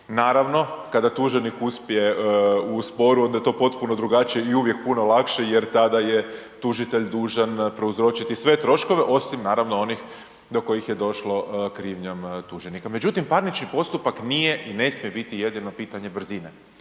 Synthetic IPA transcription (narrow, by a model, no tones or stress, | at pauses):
naːɾaʋno̞kad̪at̪uʒenikuspije̞uspo̞ɾuo̞nd̪ajet̪opo̞t̪punod̪ɾuɡat͡ʃije̞iuʋje̞k̚puno̞lˠakʃejeɾt̪ad̪aje̞ | t̪uʒit̪e̞ʎd̪uːʒanpɾe̞uzɾo̞t͡ʃit̪isʋe̞t̪ɾo̞ʃko̞ʋe̞ʔo̞simnaːɾaʋnoo̞nix | d̪o̞ko̞jixjed̪o̞ʃlo̞kɾiːʋɲamt̪uʒenikame̞d͡ʑut̪impaɾnit͡ʃnipo̞st̪upaknijeʔine̞smije̞bit̪ije̞d̪ino̞piːt̪aɲe̞br̩zine